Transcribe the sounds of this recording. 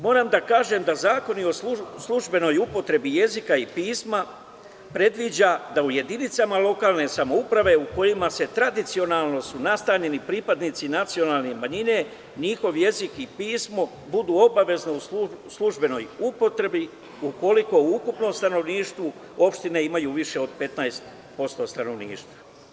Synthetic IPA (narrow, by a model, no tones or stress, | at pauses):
mo̞ːɾamd̪akaːʒe̞md̪azaːko̞nio̞slˠuʒbe̞no̞jupo̞t̪ɾe̞bije̞zikaipiːsma | pɾe̞d̪ʋid͡ʑad̪auje̞d̪init̪samalˠo̞kaːlˠne̞samo̞upɾaʋe̞uko̞jimase̞t̪ɾad̪it̪sio̞nalˠno̞sunast̪aːɲe̞nipɾipad̪niːt̪sinat̪sio̞naːlˠnemaɲine̞ | ɲixo̞ʋje̞zikipiːsmo̞ | bud̪uːo̞baʋe̞znouslˠuʒbe̞no̞jupo̞t̪ɾe̞bi | uko̞liko̞uukupno̞mst̪ano̞ʋniːʃt̪ʋu | o̞pʃt̪ineimajuːʋiʃe̞o̞d̪pe̞t̪naest̪ | po̞st̪o̞st̪ano̞ʋniːʃt̪ʋa